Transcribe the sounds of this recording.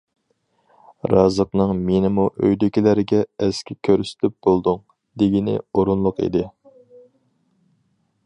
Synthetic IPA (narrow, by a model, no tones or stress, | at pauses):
ɾɑːzəqnɨŋmenɪmuʔøjd̪ɪkʲilæɾɪɡʲɛɛskʲʰɪkʲʰøɾsɪ̥t̪ʰɪp̚b̥olˠd̪uŋ | d̪ɪɡʲinɪ̰oɾunlˠʊqḭd̪ɪ